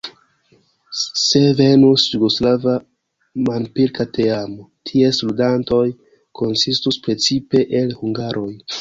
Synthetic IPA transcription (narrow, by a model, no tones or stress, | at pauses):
se̞ve̞nusjuɡo̞slava | manpiɾkate̞amotʰiesludanto̞j | ko̞nsistuspɾe̞t͡sipe̞ʔelhuŋɡaɾʔo̞j